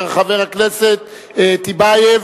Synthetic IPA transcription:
ʁaχaveʁhakneset̪̚ | et̪ibajev

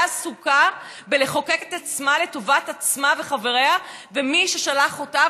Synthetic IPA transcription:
asuka | beleχo̞ke̞ket̪at͡smale̞to̞vatat͡smave̞χave̞ʁeavemiʃeʃalaχo̞ta

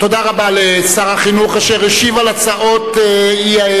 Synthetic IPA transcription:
t̪od̪aʁabalesaʁaχinuχaʃeʁeʃivalat͡saʔo̞t̪ei

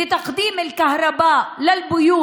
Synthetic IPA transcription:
ɪt̪ɑqd̪iːmalkahɾˤɑbaːʔlɪlbʊjuː

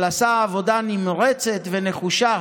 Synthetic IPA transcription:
lasaːvo̞danimʁet͡se̞t̪ve̞ne̞χuʃa

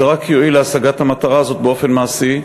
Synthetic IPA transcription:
eʁakjo̞ileasaɡat̪hamat̪aʁaːzo̞t̪̚beo̞fe̞nmaːsi

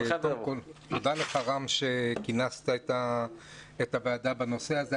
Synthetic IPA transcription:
kotod̪aleχaʁamʃekinast̪aet̪a | et̪abead̪abano̞seaze

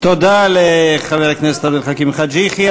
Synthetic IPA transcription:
t̪od̪aleχaveʁaknese̥t̪abelχakimχad̪d͡ʒiχi

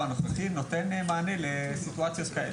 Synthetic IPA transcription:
anoχaχinot̪enmaːnelesit̪uat͡sjot̪kae

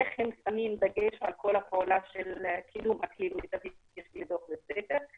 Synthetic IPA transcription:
eχhemsamimdaɡeʃʕalkʰo̞lapʰeolaʃelkʰidumakhimlet̪avijeʃlid̪oχbesefeʁ

